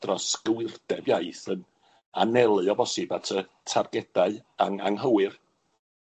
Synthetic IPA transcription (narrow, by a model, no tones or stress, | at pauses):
d̥rɔsɡəwɪrd̥ɛbjajθən | a̰nɛlˠɨɔbɔsɪbatʰətʰarɡɛd̥aɨaŋa̰ŋɦəwɨr